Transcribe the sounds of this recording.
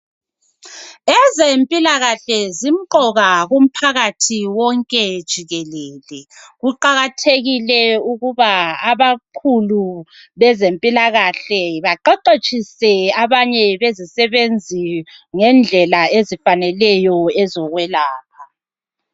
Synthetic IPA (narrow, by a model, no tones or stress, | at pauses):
ɛzempʼilaɣaɬɛzim̩ǃɔɣaɣum̩pʰaɣatʰiwɔŋkʼɛd̥ʒ̥ʱiɣɛlɛːlɛɣuǃaɣatʰeɣilɛuɣuβaaβakʰulu | βɛzempʼilaɣaɬɛβaǃɔǃet͡ʃʼisɛaβaɲɛβezisɛβend͡zʱiŋɛnd͡ɮʱɛlaezifanɛlɛjɔɛzɔɣwɛlaːkʰa